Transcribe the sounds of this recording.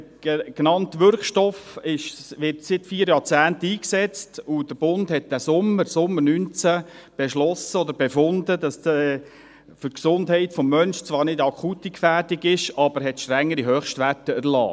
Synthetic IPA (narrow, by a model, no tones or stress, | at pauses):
ɡ̥nɑntʋʏɾkʃtɔfɪʃʋɪtsɪtfiːəɾjɑːt͡sæːntiːksɛt͡stud̥əb̥ʊndhɛt̚d̥æsʊmːəɾsʊmːəɾnynt͡sæ | b̥ɛʃlɔsəɔd̪əɾbɛfʊnd̪əd̪ɑs | fʏksʊndɦɛɪtfɔmːœnʃt͡sʋɑːɾnɪdɑkʰχutːikfæːdɪɡɪʃɑb̥əɾɦɛtʃtɾɛŋːəɾiɦœːχʃtʋætəæɾlɑ̰ː